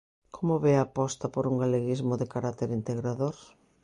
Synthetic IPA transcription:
kʰomʊβɛapɔst̪ɐpoɾuŋɡaleɣizmʊðɪkaɾat̪eɾint̪eɣɾaðoɾ

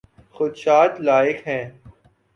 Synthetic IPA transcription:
xʊd̪ʃaːt̪laːɪkɦɛ̃ː

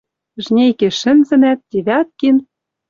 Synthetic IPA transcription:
ʒnʲejkĕʃɘ̆nzɘ̆næt̪̚ːʲiβʲɑt̪̚kin

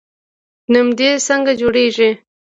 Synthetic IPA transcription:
numd̪esəŋɡad͡ʒoɽeʒi

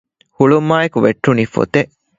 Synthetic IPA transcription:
huɭumːaːekuʋeʈːunifo̰t̪eʔ

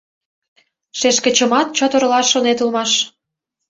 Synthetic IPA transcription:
ʃeʃkə̆t͡ɕə̆mɑt̪̚t͡ɕot̪ɤ̆ɾlɑʃːonet̪ulmɑʃ

